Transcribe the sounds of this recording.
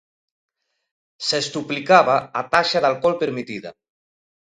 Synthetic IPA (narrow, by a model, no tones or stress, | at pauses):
sest̪uplikaβaat̪aʃaðalˠkɔlpeɾmit̪iða̰